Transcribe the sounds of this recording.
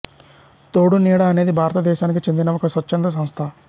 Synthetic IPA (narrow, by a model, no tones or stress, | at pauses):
t̪oːɽuniːɽɐːne̞ːd̪ibʱaːɾɐt̪ɐd̪ɛːʃaːnikit͡ʃend̪inɐɔkɐsʋɐtːt͡ʃːɐnd̪ɾɐs̬ɐm̃st̪ʰa